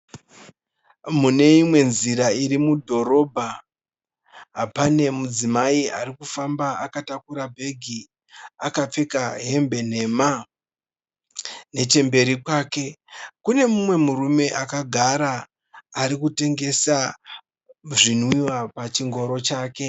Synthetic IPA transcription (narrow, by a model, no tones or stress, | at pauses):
mune̞imwe̞nziɾairimudʱo̞ɾo̞bʱa | ɦapane̞mud͡zimaiaɾikufambaakatakuɾabʱe̞ɡʱi | akap͡fe̞kaɦe̞mbe̞n̤e̞ma | ne̞t͡ʃe̞mbe̞ɾikwaːke̞kune̞mumwe̞murume̞ʔakaɡʱaɾaː | ɾikute̞ŋɡe̞sa | ʐinwiwapat͡ʃiŋɡo̞ɾo̞t͡ʃaːke̞